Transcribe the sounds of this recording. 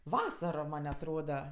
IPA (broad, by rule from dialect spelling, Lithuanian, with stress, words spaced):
ˈʋɑːsɐroː ˈmɐnʲ ɐtˈroːdɐ